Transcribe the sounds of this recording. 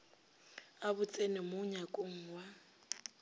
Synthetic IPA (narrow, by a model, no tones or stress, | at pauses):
abʊt͡sʼenɪmoɲakʼoŋ̩ːwa